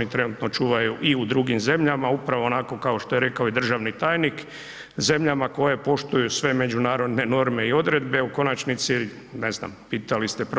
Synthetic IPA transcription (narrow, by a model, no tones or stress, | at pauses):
nit̪ɾe̞nut̪no̞t͡ʃuːʋajuʔiud̪ɾuːɡimze̞mʎamaupɾaʋo̞ːnako̞kao̞ʃt̪o̞je̞ɾe̞kaoid̪r̩ʒaʋnit̪aːjnik | ze̞mʎamako̞jepo̞ʃt̪ujusʋe̞me̞d͡ʑunaːɾo̞d̪ne̞no̞ɾme̞io̞d̪ɾe̞d̪be̞uko̞nat͡ʃnit̪si | ne̞zna̰mpiːt̪alist̪ep